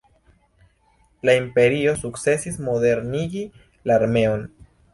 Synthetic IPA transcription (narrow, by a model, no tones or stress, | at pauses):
laimpe̞ɾio̞sukt͡se̞sismo̞de̞ɾniɡi | laːɾme̞o̞n